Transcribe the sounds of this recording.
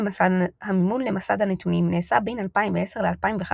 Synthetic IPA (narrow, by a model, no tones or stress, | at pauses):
masad̪hamimunle̞masad̪hanet̪unimne̞ːsabejnalpaimveese̞ʁle̞alpaimveχa